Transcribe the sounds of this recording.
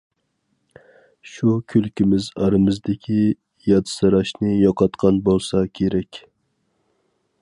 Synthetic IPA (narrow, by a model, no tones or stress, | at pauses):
ʃukʲʰylkʲimɪzɑɾɨmɪzd̪ɪkʲʰi | jɑt̪sɨɾɑʃnɨjɑqʰɑt̪qʰɑnbolˠsɑkʲʰeɾɛkʲ